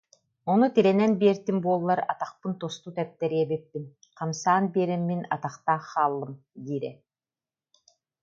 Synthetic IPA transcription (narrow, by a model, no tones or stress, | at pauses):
ɔnut̪ilɛnɛnbiɛɾt̪imbuɔlˠːaɾa̰t̪aχpɯnt̪ɔst̪ut̪ɛp̚t̪ɛɾiɛbɛpːin | qʰamsaːnbiɛːɾɛmːina̰t̪aχt̪aːχaːlˠːɯmɡ̪iːɾɛ̰